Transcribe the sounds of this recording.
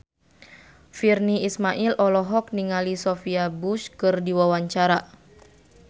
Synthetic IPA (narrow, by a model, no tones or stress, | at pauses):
firniismaʔilʔɔlɔɦɔk̚niŋalisɔfiabuskɨrdiwawaɲt͡ʃaɾa